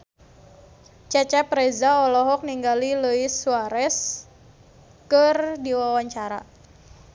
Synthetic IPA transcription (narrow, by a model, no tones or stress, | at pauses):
t͡ʃɛt͡ʃɛpɾɛzaɔlɔɦɔk̚niŋɡaliləisuaɾɛs | kərdiwawaɲt͡ʃaɾa̰